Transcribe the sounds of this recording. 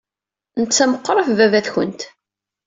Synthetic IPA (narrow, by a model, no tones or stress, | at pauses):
nət͡sːæməqːɾˤəfvævæθçənt̪